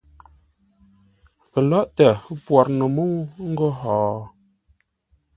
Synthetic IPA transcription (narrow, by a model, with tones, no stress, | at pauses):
pə˨lɔ˦ʔtə˨˦pwa˨ɾnə˨mu˦ŋ̩˦ɡo˦ɦɔː˨